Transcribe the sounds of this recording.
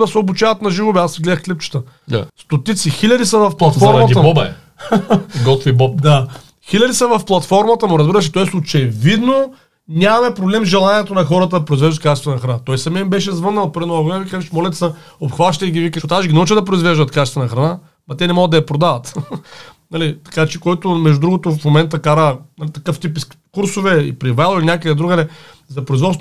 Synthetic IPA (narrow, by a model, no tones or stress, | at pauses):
d̪ɐsɛobut͡ʃavɐt̪nɐʒivobɛasɡlɛd̪əxklipt͡ʃə̥t̪ə | a̰st̪ot̪it̪sixilʲɐd̪isɐvɐfplˠɐt̪fɔɾmmɐtɡʲiɐbɔbɐɛ | ɡɔt̪ovibɔpd̪a | xilʲɐd̪isɐvɐfplˠɐt̪fɔɾmɐt̪əmʊɾɐzbiɾəʃ̬ɛt̪ɔɛsot͡ʃɛvid̪no | nʲamɐmɛpɾoblɛmzʒɛlˠaniɛt̪onɐxɔɾət̪əd̪ɐpɾoʊizvɛʒd̪ət̪̚kat͡ʃɛst̪nɐxɾɐnat̪ɔjsɐmɛmbɛʃ̬ɛzvənːəlˠpɾd̪inoɐɡoɛvikazɛʃmɔlʲɛt̪sɐopxvaʃt̪əiɡʲivikəʃot̪aʃɡʲinɐut͡ʃəd̪ɐp̬ɾoizvɛʒd̪ət̪kat͡ʃɛst̪ɐnɐxɾɐna | mɐt̪ɛnɛmɔɡəd̪ɐɐpɾod̪avət̪ | nɐlit̪ɐ̥kat͡ʃɛkoɛt̪ʊmɛʒd̪ʊd̪ɾuɡot̪ʊfmomɛnt̪əkaɾənɐlit̪ɐkəft̪ipiskuɾsʊvɛḭpɾivalˠilinʲakəd̪ɐd̪ɾuɡ̪lɛ | zɐpɾoʊizvɔt̪